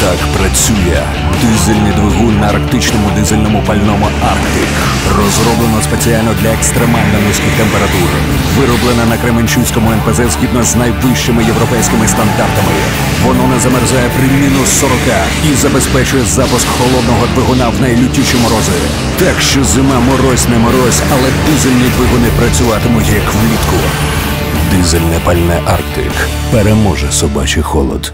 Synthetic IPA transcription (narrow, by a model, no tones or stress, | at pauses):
t̪akpɾɐt͡sʲujɛ̰ | d̪ɪzɪlʲnɪd̪ʋɪɦunːɐɐrkt̪ɪt͡ʃnɔmʊd̪ɪzɪlʲnɔmʊpɐlʲnɔmʊarkt̪ɪk | rɔzɾɔblˠenɔspet͡sʲialʲnɔd̪lʲɐekst̪ɾemalʲnɔjnuskijt̪empeɾɐt̪uɾɪ̰ | ʋɪɾɔblˠenɐnɐkɾemenʲt͡ʃuwʲsʲkɔmʊɛnpezɛzʲɦʲid̪̚nɔznɐjʋɪʃt͡ʃɪmɪjeʋɾɔpɛjsʲkɪmɪst̪ɐnd̪art̪ɐmɪ | ʋɔnɔnɛzɐmɛrzajɛpɾɪmʲinʊsːɔɾɔka | izɐbespɛt͡ʃʊjɛzapʊskhɔlˠɔd̪nɔɦɔd̪ʋɪɦʊnawnɐjlʲʊtʲːiʃɔmɔɾɔzɐɾʲḭ | t̪akʃt͡ʃɔzɪmamɔɾɔsʲnɛmɔɾɔsʲɐlˠɛd̪ɪzelʲnid̪ʋɪɦunɪpɾɐt͡sʲʊʋɑt̪ɪmʊjikʋlʲit̪kʊ | d̪ɪzɛlʲnɛpɐlʲnɛʔarkt̪ɪ̰k | peɾemɔʒɛsɔba̰t͡ʃɪxɔlˠɔ̰d̪̥